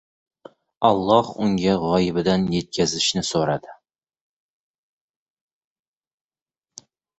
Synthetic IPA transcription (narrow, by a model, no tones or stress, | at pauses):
ɒlˠːɑhʊŋɡʲaʁɒjɪbɪd̪anjet̪̚kʲʰazɪʃnɪsoɾad̪ɪ